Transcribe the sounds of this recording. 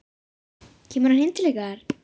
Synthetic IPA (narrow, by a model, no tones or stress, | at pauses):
cʰɛːmʏɾhanɪnt̪ɪlɛɣaɾ̥